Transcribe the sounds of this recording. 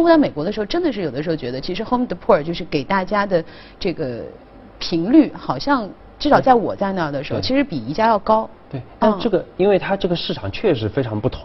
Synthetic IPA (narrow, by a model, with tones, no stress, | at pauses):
xnɑ˥me˨˩kwɔ˧˥d̪ə˧ɻxo˥˧ʊʈ͡ʂə˥nd̪ə˨˧ʂɻ̩˥˩jo˨˩ʊə˦ʂɻo˥˧ʊt͡ɕɥɛ˧˥ə˧t͡ɕʰi˧˥ʂ̬ɻ̩˧˥xo˥m˩d̪ə˩pʰu˥˩ə˞˨˩t͡ɕjo˥˧ʊʂɻ̩˥˩ke˨˩ɪt̪a˥˩t͡ɕja˥d̪ə˨ | ʈ͡ʂɤ˥˩ɡə˩ | pʰi˧˥ŋly˥˩xɑ˨˩ʊɕjɑ˥˧ŋ | ʈ͡ʂɻ̩˥˩ʂɑ˨˩ʊt͡sa˥˩ɪwɔ̰˨˩t͡sa˥˧ɪna˥˩d̪ə˩ʂɻ̩˧˥xo˧ʊt͡ɕʰi˧˥ʂɻ̩˧˥pi˨˩i˧˥t͡ɕja˥˧jɑ˥˩ʊkɑ˥ʊt̪we˥˩ɪt̪a˥˧ʈ͡ʂɤ˥˩ɡə˩i˥nwe˥˩ɪt̪ʰa˥ʈ͡ʂɤ˥˩ɡə˩ʂɻ̩˥˩ʈ͡ʂʰɑ˨˩ŋt͡ɕʰɥɛ˥˧ʂɻ̩˧˩fe˥ɪʈ͡ʂʰɑ˧˥ŋpu˥˩t̪ʰʊ˧˦